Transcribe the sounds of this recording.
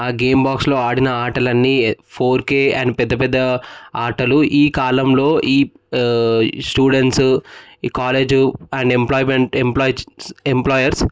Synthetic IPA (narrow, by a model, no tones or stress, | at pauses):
aːɡeːmbaːkslo̞ːaːɽinɐaːʈɐlɐnːipʰoːɾkeːɐ̰ɳɖpɛd̪ːɐpɛd̪ːɐaːʈɐluʔiːkaːlɐmlo̞ːʔiː | sʈuːɽeɳʈs | kaːle̞ːd͡ʒuɛɳɖemplɔːjmeɳʈemploːjemplɔːjɐɾs